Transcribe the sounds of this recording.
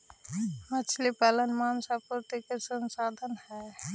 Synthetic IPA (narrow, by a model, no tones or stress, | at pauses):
mət͡ʃʰlipalənmaːnsapʊɾt̪ikesə̃nsaːd̪ʱənhɛ